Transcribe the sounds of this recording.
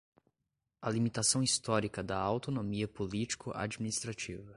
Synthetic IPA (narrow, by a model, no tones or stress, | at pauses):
ɐlimit̪asɐ̃w̃ist̪ɔɾikɐd̪ɐawt̪onomiɐpolit͡ʃi̥kʊʔa̰d͡ʒiminist̪ɾat͡ʃḭvɐ